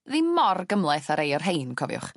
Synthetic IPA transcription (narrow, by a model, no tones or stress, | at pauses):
ðimɔrɡəmlˠɛθaɾejɔrɦejnkʰɔvjʊ̰χ